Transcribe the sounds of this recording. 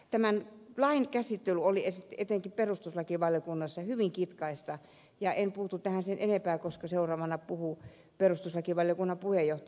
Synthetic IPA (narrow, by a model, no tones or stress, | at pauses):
t̪æmænlɑinkæsit̪ːelyoliesit̪et̪eŋkiperust̪uslɑkiʋɑljokunːɑsːɑhyʋiŋkit̪kɑist̪ɑ | jɑʔenpuhut̪ut̪æhænsenʔenempæːkoskɑseurɑːʋɑnɑpuhu | perust̪uslɑkiʋɑljokunːɑpuhejoht̪